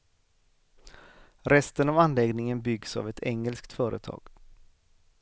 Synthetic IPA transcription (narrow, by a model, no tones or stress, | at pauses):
ɾɛst̪ənavanlɛɡnɪŋənbʏɡsa̰vɛt̪ʰɛŋɛlskt̪fœːɾʔə̰t̪ʰɑ̰ːɡ̥